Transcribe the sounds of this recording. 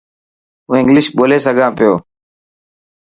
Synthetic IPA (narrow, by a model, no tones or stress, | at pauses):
ɦũːɪ̃ŋɡlɪʃɓoːleːsəɡʱãːpɪjoː